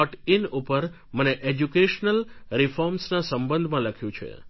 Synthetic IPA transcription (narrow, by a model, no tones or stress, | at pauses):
ɔʈinupəɾ | məneʔed͡ʒukeʃnəlɾifɔɾmsnasəmbə̃nd̪ʱmãləkʰjũt͡ʃʰḛ